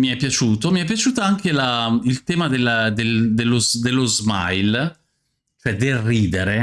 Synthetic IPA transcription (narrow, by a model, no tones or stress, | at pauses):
miɛpːjat͡ʃuːt̪omiɛpːjat͡ʃuːt̪aaŋkelailt̪ɛːmad̪elːd̪eld̪elːozd̪elːozma̰jl | t͡ʃoɛd̪elriːd̪eɾe